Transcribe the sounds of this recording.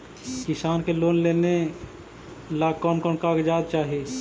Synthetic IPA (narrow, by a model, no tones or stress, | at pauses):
kɪsaːnkeloːnleːne | laːkɔːnkɔːnkaɡd͡ʒaːd̪̚t͡ʃaːɦieː